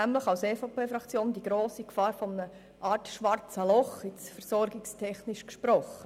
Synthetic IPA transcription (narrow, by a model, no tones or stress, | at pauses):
æmləχɑwsɛːfɑpeːfɾɑkt͡sjoːndiɡ̥ɾoːsikfɑːɾfɔmənə | ʔɑːɾtʃʋɑɾt͡səlɔχɪt͡sfɛɾsɔɾɡɪkstʰɛχnɪʃkʃpɾɔχə